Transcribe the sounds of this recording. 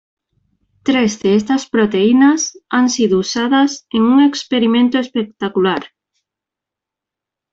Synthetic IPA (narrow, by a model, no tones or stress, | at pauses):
t̪ɾezðeɛst̪ɐspɾot̪einasaŋsiðousaðɐseŋuŋekspeɾimẽnt̪oespek̚t̪akulaɾ